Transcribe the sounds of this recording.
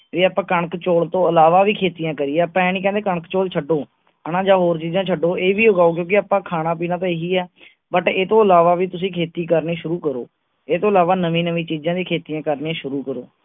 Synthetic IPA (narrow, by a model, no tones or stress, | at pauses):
ʋiːaːpãːkəɳəkt͡ʃoːlt̪õːəlaːʋaːʋiːkʰeːt̪ijãːkəɾiːɛːəpãɛːnĩːkɛ̃ːnd̪eːkəɳəkt͡ʃoːlt͡ʃʰəɖoː | ənãːd͡ʒaːɦoːɾt͡ʃiːzãːt͡ʃʰəɖoːeːʋiːoɡaːoːk̬jõːkɪaːpãːkʰaːnãːp̬iːnaːt̪ãːeːɦiːɛː | bəʈeːt̪õːəlaːʋaːʋiːt̪ʊsĩːkʰeːt̪iːkəɾniːʃʊɾuːkəɾo̰ː | eːt̪õːəlaːʋaːnəʋĩːnəʋĩːt͡ʃiːd͡ʒãːd̪iːkʰeːt̪ijãːkəɾniãːʃʊɾuːkəɾo̰ː